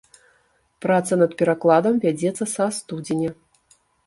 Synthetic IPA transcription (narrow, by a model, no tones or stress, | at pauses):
pɾat̪sɐnɐt̪̚pʲɛɾaklˠad̪ɐmvʲad͡zʲɛt̪sːɐsast̪ud͡zʲenʲɛ